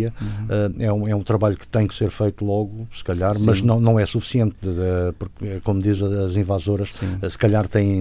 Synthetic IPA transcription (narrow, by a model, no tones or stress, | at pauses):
ɐɛɛũɛũt̪ɾɐβaʎukɨ̥t̪ɐ̃j̃kseɾfejt̪ulˠɔɣusɨ̥kɐʎaɾmɐʒnɐ̃w̃nɐ̃w̃ɛsufi̥siẽnt̪puɾkkomud̪izɐːzĩvazoɾɐʃsĩɛsɨ̥kɐʎaɾt̪ɐ̃j̃